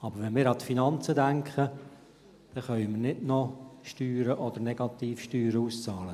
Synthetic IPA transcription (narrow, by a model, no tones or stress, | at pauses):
ɑb̥əɾʋɛnmɪːɾɑt̪finɑnt͡sədæŋkχə | d̥ɛχœʏmərnɪdnɔʃtyːɾəʔɔd̪əɾnɛɡ̥ɑt̪iːfʃtyːɾəust͡sɑːlə